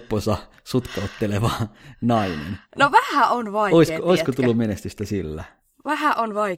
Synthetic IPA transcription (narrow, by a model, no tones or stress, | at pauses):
pːosɑ | sut̪kɑot̪ːeleʋɑːnɑinḛnnoʋæhæonʋɑioiskkooiskot̪ulːumenest̪yst̪æsilːæ̰ | ʋæhæʔonʋɑi